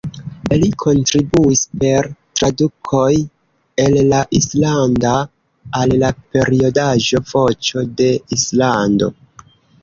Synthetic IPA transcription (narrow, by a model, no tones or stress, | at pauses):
likʰo̞ntɾibuispe̞ɾtɾadukʰo̞j | ellaʔislandaː | lːape̞ɾio̞daʒo̞vo̞t͡ʃo̞de̞islando̞̰